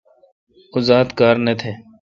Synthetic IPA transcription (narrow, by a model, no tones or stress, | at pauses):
ʊzaːt̪kaːɾneːt̪ʰeː